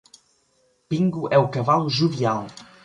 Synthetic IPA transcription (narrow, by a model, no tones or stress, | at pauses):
pĩŋɡʊʔɛukɐvaluʒuvial